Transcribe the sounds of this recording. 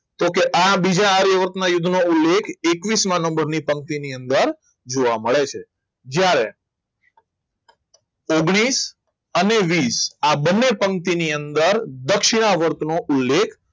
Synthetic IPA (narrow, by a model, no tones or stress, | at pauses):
t̪okeʔabid͡ʒaːɾjəʋəɾt̪najʊd̪ʱnoulːekʰekʋismãnə̃mbəɾnipəŋ̚t̪iniənd̪əɾ | d͡ʒoʋaməɭet͡ʃʰe | d͡ʒjaɾe | oɡɽ̃is | əneʋisabənːepəŋt̪iniənd̪əɾd̪əkʃiɽ̃aʋəɾt̪noʔulːekʰ